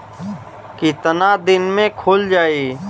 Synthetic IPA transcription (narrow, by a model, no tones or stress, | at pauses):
kɪt̪nad̪ɪnmẽkʰoːld͡ʒaːiː